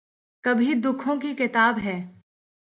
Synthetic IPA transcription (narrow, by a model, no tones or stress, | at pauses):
kɐbʱid̪ʊkʰõkikɪt̪aːbɦɛː